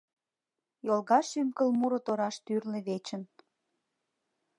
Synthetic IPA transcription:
jolˠɣɑʃymkəlmuɾot̪oɾɑʃt̪yrleβet͡ɕə̆n

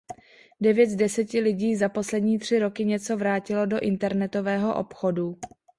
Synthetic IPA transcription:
dɛvjɛt̪dɛsɛcɪlɪɟiːzapo̞slɛdɲiːt̪r̝̥ɪɾo̞kɪɲɛt͡so̞vɾaːcɪlo̞do̞ʔɪnt̪ɛɾnɛt̪o̞vɛːɦo̞ʔo̞̰pxo̞du

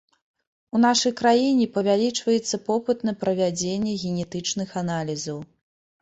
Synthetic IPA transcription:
unaʂɐjkɾajinʲɛpɐvʲalʲit͡ʂvɐjɛt̪sːɐpɔpɨt̪nɐpɾɐvʲad͡zʲenʲːɛɣʲɛnʲɛt̪ɨt͡ʂnɨxanalʲizɐw

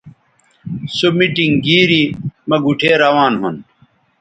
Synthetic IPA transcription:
somiʈiŋɡiːɾimɐɡuʈʰeːɾɐwaːnɦṵn

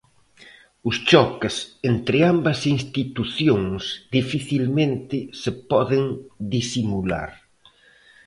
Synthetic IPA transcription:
ʊst͡ʃɔkɪsent̪ɾɪambɐsinst̪it̪uθjoŋsðifiθilmẽnt̪ɪsepɔðɪŋd̪isimula̰ɾ

